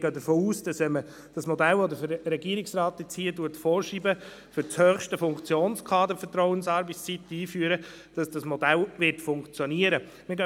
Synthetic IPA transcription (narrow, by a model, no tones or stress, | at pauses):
ɡ̥œdəɾfoːuːsd̥ɑsɛmə | d̥ɑsmɔdælɔd̪əɾfɾɾɛɡiəɾɪksrɑːt̚ət͡siːətuətfɔːɾʃiːbə | fʏɾt͡shœːχʃtəfʊŋkt͡sjoːnskʰɑːdəfətɾɔwənsɑːɾbət͡sit̪ːiːfyəɾə | d̥ɑsd̥ɑsmɔdælʋɪɾtfʊŋkt͡sjɔniəɾə | mɪɾɡœ